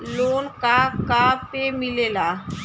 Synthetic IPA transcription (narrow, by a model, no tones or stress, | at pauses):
loːnkakaːbpemɪleːlaː